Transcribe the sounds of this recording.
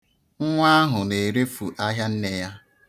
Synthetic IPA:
ŋ̩˦ŋʷa˦a˦ɦʊ˨ne˨ɾe˦fu˨ʔa˦ɦja˦n̩˦ne˨ja˦

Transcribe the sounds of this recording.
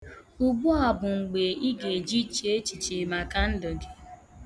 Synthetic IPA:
u˨ɡ͡bu˦a˨bʊ˨ŋ͡m̩˨ɡ͡be˨i˦ɡe˨d͡ʒi˦t͡ʃi˨˦e˦t͡ʃi˨t͡ʃi˨ma˨ka˦n̩˦do˨ɡe˨

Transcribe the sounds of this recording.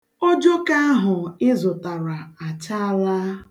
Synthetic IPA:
o˦d͡ʒo˦ka˦a˦ɦʊ˨ɪ˦zʊ˨ta˨ɾa˨a˨t͡ʃa˦a˦la˦

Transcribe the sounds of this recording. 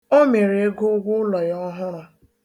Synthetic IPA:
o˦me˨ɾe˨e˦ɡʊ˦ɡʷʊ˦lɔ˨jɔ˦ɦa˦ɾa˨

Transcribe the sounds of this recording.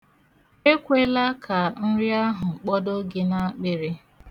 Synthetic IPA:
e˦kʷe˦la˦kʰa˨n̩˦ɾi˦a˦ɦʊ˨ŋ͡m̩˨k͡pɔ˦do˦ɡɪ˦na˦k͡pɪ˨ɾɪ˦

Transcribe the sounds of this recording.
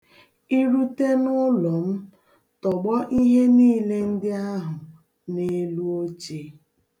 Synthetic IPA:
i˦ɾu˦te˦nʊ˦lɔ˨m̩˦ | tɔ˨ɡ͡bɔ˦ʔi˦ɦe˦niː˦le˦n̩˦dɪ˦a˦ɦʊ˨ | ne˦lu˦o˦t͡ʃe˨˦

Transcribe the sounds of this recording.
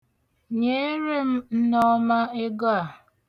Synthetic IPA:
ɲe˦ɾe˦m̩˦n̩˦nɔ˦ma˦e˦ɡa˦˨

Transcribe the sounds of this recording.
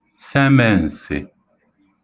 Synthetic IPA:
sɛ˦mɛ˦˨n̩˨sḛ˨

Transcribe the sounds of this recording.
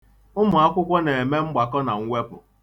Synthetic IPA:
ʊ˦mʊ˨a˦kʷʊ˦kʷɔ˦ne˨e˨me˦ŋ͡m̩˦ɡ͡ba˨kɔ˦na˨ŋ̩˦ŋʷe˦pʊ̰˨

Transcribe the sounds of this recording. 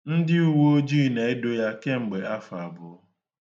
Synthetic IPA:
n̩˦dɪ˦u˦wo˦o˦d͡ʒi˦˨ne˨e˦do˦ja˦ke˦ŋ͡m̩˨ɡ͡be˨a˦fa˨bʊ˨˦

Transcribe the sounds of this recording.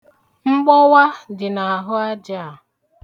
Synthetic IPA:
ŋ͡m̩˦ɡ͡bɔ˦wa˦dɪ˨na˨a˨ɦʊ˦a˦d͡ʒa˦a˨

